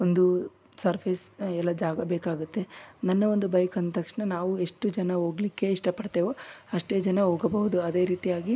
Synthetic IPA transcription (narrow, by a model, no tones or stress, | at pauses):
ond̪u | sɐɾpʰeːsɛlːɐd͡ʒaːɡɐbeːkaːɡut̪ːe̞nɐnːɐo̞nd̪ubɐjkɐnt̪ɐkʂɳɐnaːʋue̞ʂʈud͡ʒɐnɐɦo̞ːɡlikːe̞iʂʈɐpɐɽt̪eːʋoɐʂʈe̞ːd͡ʒɐnɐɦoːɡɐbɐɦud̪uɐd̪e̞ːɾiːt̪ijaːɡi